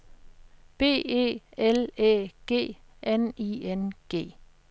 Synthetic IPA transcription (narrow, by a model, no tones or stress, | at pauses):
b̥e̝̰ːe̝̰ːelḛːɡ̥e̝̰ː | ʔeniːenɡ̥e̝̰ː